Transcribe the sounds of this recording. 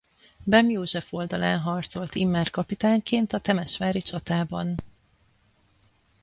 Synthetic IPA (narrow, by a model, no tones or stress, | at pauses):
bɛmjoːʒɛfo̞ld̪ɒlaːnɦɒrt̪so̞lt̪imːaːrkɒpit̪aːŋkeːnt̪ɒt̪ɛmɛʃmaːɾit͡ʃɒt̪aːbɒn